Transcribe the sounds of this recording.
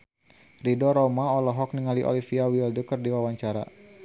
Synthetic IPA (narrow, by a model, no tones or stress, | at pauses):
ridɔɾɔmaɔlɔɦɔk̚niŋaliʔo̰lifiawildɔkərdiwawaɲt͡ʃaɾa̰